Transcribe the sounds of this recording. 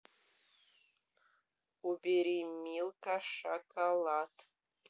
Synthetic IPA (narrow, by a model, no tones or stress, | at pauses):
ubeɾimilkʼaʂakʼalatʰʼ